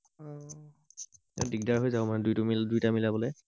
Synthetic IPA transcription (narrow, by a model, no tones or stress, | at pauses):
ɛ̰diɡ̚daɹɦojzaʊmadujtʊmidujtamilabɔloj